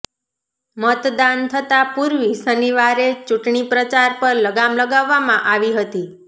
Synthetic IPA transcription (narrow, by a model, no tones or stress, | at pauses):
mət̪d̪ant̪ʰət̪apuɾʋisəniʋaɾet͡ʃuʈɳipɾət͡ʃaɾpəɾləɡamləɡaʋːamãʔaʋiɦət̪i